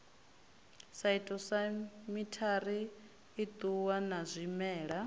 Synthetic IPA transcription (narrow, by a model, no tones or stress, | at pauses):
saitʼɔsamitʰaɾiː | t̪ʼuwanazʷimɛːɺa